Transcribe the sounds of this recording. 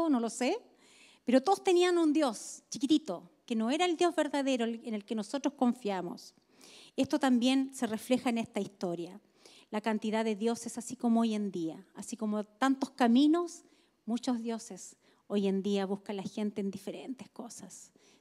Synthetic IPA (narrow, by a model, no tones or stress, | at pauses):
ono̞lo̞se | peɾot̪oðost̪e̞nianund̪jo̞st͡ʃi̥kit̪it̪okenoeɾaeld̪jo̞zβe̞ɾðaðe̞ɾoene̞lkeno̞sot̪ɾosko̞ɱfjamo̰s | e̞st̪ot̪ambje̞nse̞re̞fle̞xaenehst̪aist̪o̞ɾja | lakant̪iðaðe̞ðjo̞sesasikomooje̞nd̪iaasiko̞mot̪ant̪ohkamino̞s | mut͡ʃozðjo̞ses | oje̞nd̪iaβuhkalaxe̞nt̪eːnd̪ifeɾent̪eskosas